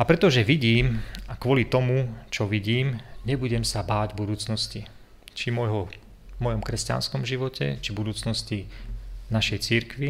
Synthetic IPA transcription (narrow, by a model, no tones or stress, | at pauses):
apɾɛt̪ɔʒɛʋiɟiːmakʋɔlit̪ɔmut͡ʃɔʋiɟiːmɲɛbuɟɛmsabaːɟbud̪uːt͡snɔsci | t͡ʃimɔjɦɔ | mɔjɔmkɾɛsca̰nskɔmʒiʋɔcʰɛ̰t͡ʃibud̪uːt͡snɔscinaʃɛjt͡siɾkʋi